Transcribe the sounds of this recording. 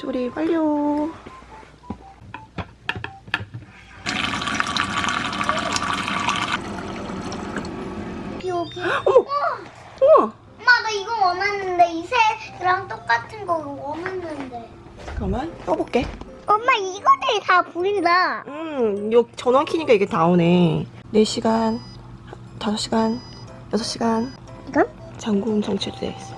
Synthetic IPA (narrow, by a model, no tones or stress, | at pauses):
t͡ɕoɾipaʎːo | ioɡʌmːa | ʌma | ʌmːadaiɡʌwʌnanːɯnde̞isʰekɯɾaŋt͈ok͈atʰɯnɡʌɡwʌnɯnːɯnde̞ | kʌmant͈ʌbok͈e̞ | ʌmːaiɡʌdetapuindaɯjot͡ɕʌnʌnkʰiɲik͈aiɡe̞taone | ne̞ɕʰiɡan | a | tasʰʌɕ͈iɡan | jʌsʰʌɕ͈iɡan | iɡan | t͡ɕaŋɡunt͡ɕʰʌŋt͡ɕʰiɾɯdḛs͈